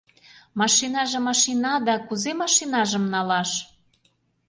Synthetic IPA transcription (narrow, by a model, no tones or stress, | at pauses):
mɑʃinɑʒĕmɑʃinɑd̪ɑkuzemɑʃinɑʒə̆mnɑlɑʃ